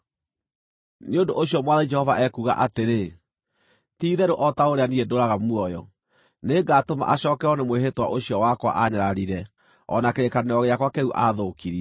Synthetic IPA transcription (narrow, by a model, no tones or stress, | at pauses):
neondoʔoɕjɔmwaðɛd͡ʒɛhɔvaʔɛkuɣa̰ʔateɾe | tiːðɛɾoʔɔtaoɾeaniɾɛdoɾaɣamuɔjɔ | neɡatoma̰ʔaɕɔːkɛɔnemweɦetwa̰ʔoɕjɔwakwa̰ʔaɲaɾaɾiɾɛ | ɔnakeɾekaneɔɣeakwakɛuʔaðokiɾiɛ